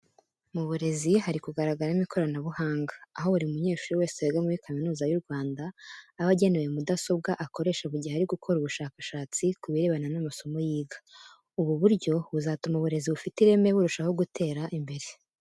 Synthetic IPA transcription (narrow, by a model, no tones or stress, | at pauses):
muβuɾe̞ziɦaɾikuɡaɾaɡaɾaimiko̞ɾanaβuhaːŋɡaːɦo̞uɾiumuɲe̞ːʃuɾuwe̞ːseweɡamuɾikaminuːzajuɾɡwaːndaːβaɟe̞newe̞mudaso̞b̚ɡaʔako̞ɾe̞ːʃaβuɾɟihaɾiɡukʰo̞ɾuβuʃaːkaʃaːt͡sikuβiɾe̞βananamaso̞mo̞jiːɡḁ | uβuβuɾɟo̞βuzaːtumaβuɾe̞ziβufitiɾe̞me̞βuɾuʃaho̞ɡutʰe̞ːɾaʔimbe̞ɾe̞